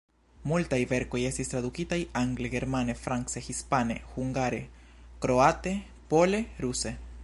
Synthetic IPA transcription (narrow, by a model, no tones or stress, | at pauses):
mult̪ajβeɾkojest̪ist̪ɾaðukit̪ajaŋɡleɣeɾmanefɾaŋksexispanexuŋɡaɾe | kɾoat̪e | poleɾuse